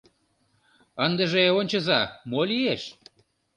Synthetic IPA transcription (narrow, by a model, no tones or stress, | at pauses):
ənd̪ə̆ʒeonʲt͡ɕə̆zɑmolieʃ